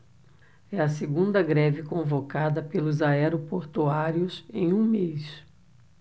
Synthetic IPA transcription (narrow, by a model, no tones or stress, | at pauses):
ɛɐseɡũnd̪ɐɡɾɛvɪkõvokad̪ɐpelʊzaɛɾopoɾt̪uaɾiʊsẽj̃ũmes